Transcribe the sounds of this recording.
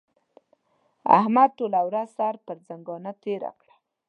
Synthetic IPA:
a̰hmad̪̚ʈolawɾazsaɾpəɾzaŋɡɑnat̪eɾa̰kɽḁ

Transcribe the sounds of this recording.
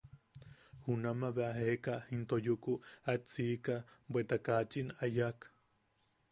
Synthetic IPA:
hunamaβeʔaɦekahint̪ojukuat͡siːkabwet̪akat͡ʃinajak

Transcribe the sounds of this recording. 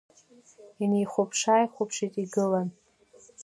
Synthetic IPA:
inejχʷopʰʂaːjχʷʊpʰʂitʼiɡɨlan

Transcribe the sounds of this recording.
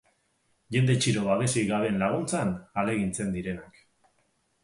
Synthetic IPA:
ʝe̞nd̪e̞t͡ʃiɾo̞βaβe̞siɣaβe̞nlaɣ̞unt͡sanale̞ɣ̞int͡se̞nd̪iɾe̞nak

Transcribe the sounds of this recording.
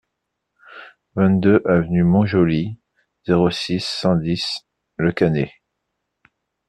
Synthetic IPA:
vɛ̃t̪̚d̪øʔavənymɔ̃ʒoli | z̥eʁosisːɑ̃d̪is | ləkane

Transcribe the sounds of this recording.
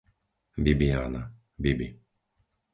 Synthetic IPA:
bibiaːna | bibḭ

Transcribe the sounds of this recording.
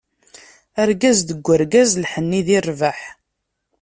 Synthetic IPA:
æɾɡæzd̪əɡʷːəɾɡæzlħənːiðirˤvaħ

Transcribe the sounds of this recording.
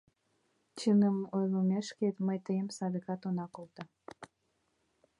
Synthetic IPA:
t͡ɕənəmojlomeʃket̪məjt̪əjəmsɑd̪əkɑt̪onɑkolt̪ɑ

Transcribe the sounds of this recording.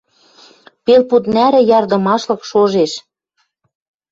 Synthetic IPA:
pelput̪næɾɘ̆jɑrd̪ɤ̆mɑʃlɤ̆kʃoʒeʃ

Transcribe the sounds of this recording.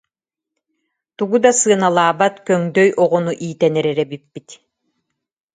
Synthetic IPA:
t̪uɡud̪asɯɐnalˠaːbat̪kœŋd̪œjʔɔʁɔnuʔiːt̪ɛnɛɾɛɾɛbipːit̪

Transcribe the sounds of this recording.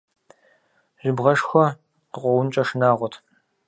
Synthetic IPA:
ʒ̥ʷɪbʁɐʂxʷɔ | qəqʷɔwʊnt͡ʃʼɐʂnaːʁʷɔtʰ

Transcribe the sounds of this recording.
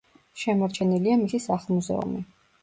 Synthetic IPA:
ʃɛmɔɾt͡ʃʰɛniliamisisaχlˠmuzɛ̰ṵmi

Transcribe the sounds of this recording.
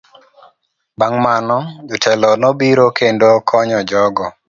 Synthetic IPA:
baŋmanɔd͡ʒɔtʰɛlɔnobiɾokendokʰɔɲɔd͡ʒɔɡɔ

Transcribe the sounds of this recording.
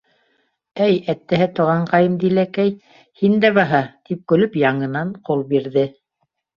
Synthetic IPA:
æjæt̪ːæɦɘt̪ŏʁɑɴqɑjɤmd̪ilækæj | hind̪æβɑɦɑt̪ip̚kɵ̆lɵpjɑɴɤ̆nɑɴqolˠbiɾðɘ

